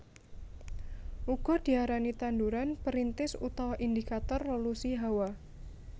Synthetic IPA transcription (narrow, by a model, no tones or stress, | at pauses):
ʔuɡ̥ɔ̤d̥i̤aɾanit̪anduɾanpəɾint̪ɪsut̪awaʔindikat̪ɔrːolusiɦawa